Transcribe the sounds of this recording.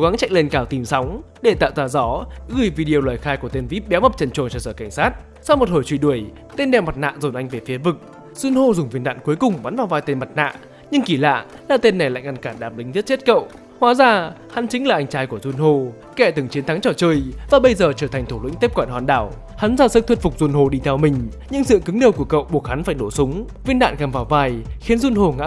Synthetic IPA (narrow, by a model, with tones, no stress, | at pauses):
o˨˦ɣa˨˦ŋt͡ɕa̰˧˨ŋ̟le˧nkaː˧˩wt̪i˨˩msa˨˦wŋ͡m | ɗe˧˩t̪a̰ː˧˨wzaː˧˩zɔ˨˦ɣɨ˧˩jvi˧ɗi˧ə˧lwaː˨˩jxaː˧jku˧˩ət̪e˧nvi˦˥p̚ɗɛ˨˦wmə˨˩p̚t͡ɕə˨˧˩nt͡ɕo˨˩nt͡ɕɔ˧˩səː˧˩ka˧˩jŋ̟saː˦˥t̚ | sa˧wmo˨˩t̚ho˧˩jt͡ɕwi˧˩ɗu˧˩əj | t̪e˧nɗɛ˨˩wma˨˩t̚na̰ː˧˨zo˨˩nʔa˧jŋ̟ve˨˩fi˨˦əvɨ˨˩k̚ | sɨ˧nho˧zʊ˨˩ŋ͡mvi˨˩nɗa̰ː˧˨nku˨˦əjkʊ˨˩ŋ͡mɓa˨˦nvaː˨˩wvaː˧jt̪e˧nma˨˩t̚na̰ː˧˨ | ɲɨ˧ŋki˧˩la̰ː˧˨ | laː˨˩t̪e˧nːa˨˩jla̰˧˨jŋ̟ʔa˧nkaː˧˩nɗaː˧˩p̚ɗï˨˦ŋzi˦˥t̚t͡ɕe˦˥t̚kə̰˧˨w | hwaː˨˦zaː˨˩ha˨˦nt͡ɕï˨˦ŋ̟laː˨˩ʔa˧jŋt͡ɕaː˨˦jku˧˩əzu˧nho˧˩ | kɛ˧˩t̪ɨ˨˩ŋt͡ɕi˨˦ənt̪ʰa˨˦ŋt͡ɕɔ˧˩t͡ɕəː˧jvaː˨˩ɓə˧jzəː˨˩t͡ɕəː˧˩t̪ʰa˨˩ŋ̟t̪ʰu˧˩lḭ̈˧˥ŋt̪e˦˥p̚kɔː˧˩n̚waː˧˨nɗaː˧˩w | ha˨˦nzaː˧˩sɨ˦˥k̚t̪ʰə˦˥t̚fʊ˨˩k͡p̚zu˧ənho˧˩ɗi˧t̪ʰɛ˧wmï˨˩ŋ̟ | ɲɨ̰˧˥ŋsɨ̰˧˨kɨ˨˦ŋɗi˨˧˩wku˧˩əkə̰˧˨wɓu˧˩ək̚ha˨˦nfaː˧˩jno˧˩sʊ˨˦ŋ͡m | vi˧ənɗa̰ː˧˨nkaː˨˩mvaː˨˩wvaː˧jxi˨˦ənzu˧nho˧˩ŋa̰˧˥